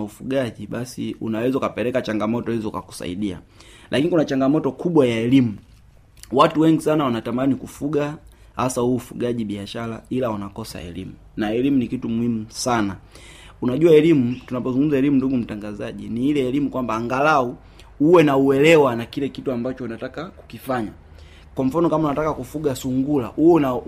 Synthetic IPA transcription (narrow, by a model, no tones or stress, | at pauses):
aufuɡaʄiɓasiṵnawɛzaukapɛɾɛkat͡ʃaŋɡamɔtɔhizɔka̰ku̥sa̰ḭɗia̰ | lʔakinikunat͡ʃaŋɡamɔtɔkuɓwajaɛlimu | watuwɛŋɡisanawanatamanikufuɡa | hasauːfuɡaʄiɓiaʃala̰ilaunakɔsa̰ɛ̰lḭmu | naɛlimunikitumuhimusana | unaʄuaɛlimutunapɔzuŋɡum̩zaɛlimunduɡum̩taŋɡazaʄiniilɛːlimukwambaːŋɡalau | uwɛnauɛlɛwanakilɛkituambat͡ʃɔunatakaku̥kifaɲa | kwam̩fanɔkamaunatakakufuɡasuŋɡula̰una